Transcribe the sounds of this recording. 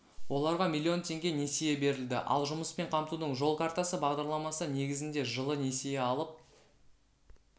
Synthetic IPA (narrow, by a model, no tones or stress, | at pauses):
wo̞lˠɑɾʁɑmʲilʲːio̞nt̪ʰʲe̞ŋɡʲe̞ne̞seje̞be̞ɾɪld̪ɪ̰ʔɑ̰lˠʒʊməspe̞ɴqʰɑmt̪ud̪əɴʒo̞lˠkʰaɾt̪asəbɑʁd̪ɑɾlˠɑmɑsəne̞ɡʲɪzɪnd̪e̞ʒəlˠəne̞sejeɑlˠəp̚